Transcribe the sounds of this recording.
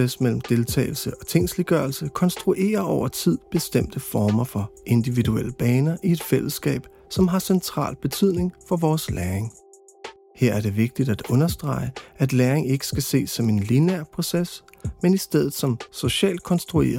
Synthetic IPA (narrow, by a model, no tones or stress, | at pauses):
esmel̰m̩d̥e̝lt͡sʰɛ̰ːɪl̩səʔɒ̽t͡sʰe̝ŋ̰sliɡ̥ɶɐlsəkʰɒ̽nsd̥ʁuʔe̝̰ːɐʔɒʊɐt͡sʰið̞̰ˠb̥e̝sd̥em̰d̥əfɒːmɐfɒ̽ʔe̝nd̥iʋiduel̰əb̥ɛːnɐʔie̝d̥fel̰əsːɡ̥ɛ̰ːb̥ | sɒ̽mɦɑ̈sent͡sʰʁɑ̰̈ːlb̥e̝t͡sʰyð̰ˠne̝ŋfɒ̽ʋɒːslæːɐeŋ | heɐ̰æɐd̥e̝ʋe̝ɡ̥̚d̥id̥æd̥ɔ̽nɐsd̥ʁɑ̈ɪəæd̥leːɐeŋe̝ɡ̥ə̥sɡ̥æse̝̰ːsɒ̽me̝nlinæɐ̰pʰʁo̝ses | menisd̥eð̰ˠð̩ˠsɒ̽mso̝ɕɛ̰ːld̥̚kʰɒ̽nsd̥ʁue̝̰ːɐ